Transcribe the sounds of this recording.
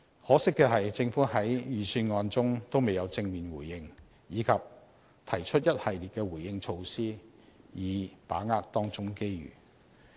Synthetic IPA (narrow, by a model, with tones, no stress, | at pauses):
hɔː˨˥sɪ˥kːɛː˧ɦɐ˨jt͡sɪ˧ŋfuː˨˥ɦɐ˨˥jjyː˨˩syː˧nŋɔː˧nt͡sʊ˥ŋt̪o˥wme˨jɐ˨˧wt͡sɪ˧ŋmiː˨˩nwuː˨˩jːɪ˧ŋ | jiː˨˧kʰɐː˨p̚ | t̪ʰɐ˨˩jt͡ʃʰɵ˥t̚jɐ˥t̚hɐ˨jli˨t̚kɛː˧wuː˨˩jjɪ˧ŋt͡ʃʰo˧wsiː˥ | jiː˨˧pa̰ː˨˥ŋaː˥k̚t̪ɔː˥ŋt͡sʊ˥ŋke˥jɥy̰ː˨˩